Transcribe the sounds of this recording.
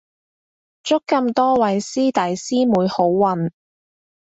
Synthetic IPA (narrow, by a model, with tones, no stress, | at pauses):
t͡ʃʊ˥kːɐ˧mt̪ɔː˥wɐ˨˥jsiː˥t̪ɐ˨jsiː˥muː˨˧jho˨˥wːɐ˨˩n